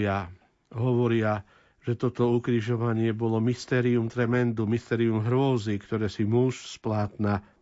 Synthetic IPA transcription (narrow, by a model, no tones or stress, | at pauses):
a | ɦɔʋɔɾɪa | ʒ̥ɛt̪ɔt̪ɔukɾiʒɔʋaɲɪɛbɔlɔmist̪ɛːɾiumt̪ɾɛmɛnd̪umist̪ɛːɾiumɦɾʊɔzikt̪ɔɾɛːsimuʃsplaːt̪na